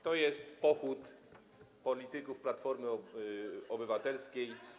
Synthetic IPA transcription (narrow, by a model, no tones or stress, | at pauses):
t̪ɔjɛst̪pɔxut̪ | pɔlʲit̪ɘkufplat̪fɔɾmɘ | ɔbɘvat̪ɛlskʲej